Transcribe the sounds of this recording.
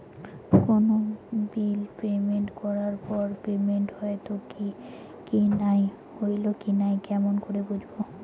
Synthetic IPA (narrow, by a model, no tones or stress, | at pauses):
konobilpemeɳʈkɔɾaɾpɔɾpemeɳʈhɔet̪oki | kinaj | hojlokinajkɛmonkoɾebud͡ʑʱbo